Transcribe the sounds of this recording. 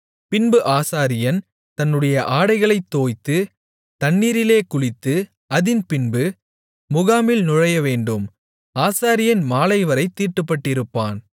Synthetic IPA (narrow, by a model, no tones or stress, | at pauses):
pɪnbɯʔaːsaːɾɪjɐn | t̪ɐnːɯɽɐjɐʔaːɽɐɪɣɐɭɐɪt̪ːoːjt̪ːɯ | t̪ɐnːiːɾɪleːkʊɻɪt̪ːɯ | ɐðɪnpɪnbɯ | mʊɣaːmɪlnʊɻɐjɐʋeːɳɖɯm | aːsaːɾɪjɐnmaːlɐɪʋɐɾɐɪt̪ːiːʈːɯpːɐʈːɪɾɯpːaːn